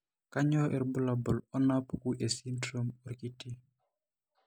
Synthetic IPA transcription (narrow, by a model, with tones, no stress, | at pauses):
ka˦ɲɔ˦ʔɛ˨ɾbu˦la˨bɔ˨lɔ˦na˦pku˦ʔe˨si˦ndɾo˦mɔ˨ɾki˦ti˦